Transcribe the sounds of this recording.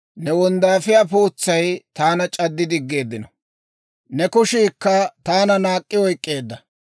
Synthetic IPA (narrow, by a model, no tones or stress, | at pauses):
nɛwɔnd̪aːfɪjapuːt͡sːɐjt̪aːnɐt͡ʃʼɐd̪ːɪd̪ɪɡːe̞ːd̪ːɪnɔ | nɛkʊʃiːkːɐt̪aːnɐnaːkʼːɪwɔjkʼːe̞ːd̪ːɐ